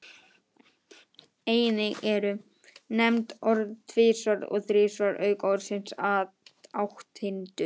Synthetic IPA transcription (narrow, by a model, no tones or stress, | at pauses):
eːjnɪɣɛɾʏ | nɛmt̪ɔɾðt̪ʰvɪːsvaɾɔ̰ɣθɾɪːsvaɾʔœːɥkɔwɾsɪnsa | awht̪hɪnt̪ʏ